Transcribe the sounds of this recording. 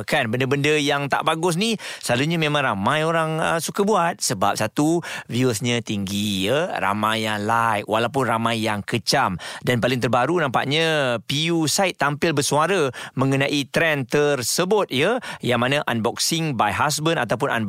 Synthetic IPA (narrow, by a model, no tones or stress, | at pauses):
kanbəndəbəndəjaŋt̪a̰ʔbaɡʊs̬nisəlaluɲəmẽmãŋramãjoɾaŋəsukəbuat̪̚səba̰p̚sat̪uviəsɲət̪iŋɡijəra̰majːaŋlajkwalawp̬ʊnramajːaŋkət͡ʃamdanpalɪŋt̪ərbaɾunãmpa̰ʔɲə̃pijusaɪt̪̚ːampɪlbərsuaɾəmə̃ŋənãʔit̪ɾɛnt̪ərsəbʊt̪̚jəjaŋmanãʔanbɔk̚sɪŋbajɦas̬bənat̪awp̬ʊna̰n